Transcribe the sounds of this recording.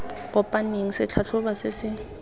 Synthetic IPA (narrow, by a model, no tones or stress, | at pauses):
ɣʊpʼaneŋ̩sɪt͡ɬʰat͡ɬʰʊbasɪsɪ